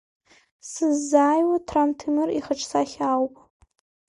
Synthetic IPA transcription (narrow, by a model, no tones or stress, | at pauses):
sɨzːaːjwatʰrantʰimɨriχəʈ͡ʂʰʼsaχʲawpʼ